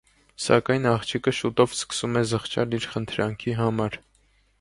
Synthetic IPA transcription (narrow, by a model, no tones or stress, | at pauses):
sɑ̰kɑjnɑχt͡ʃʰikəʃut̪ɔvskə̥sumɛzəχt͡ʃɑliɾχənt̪ʰɾɑŋkʰiɦɑmɑɾ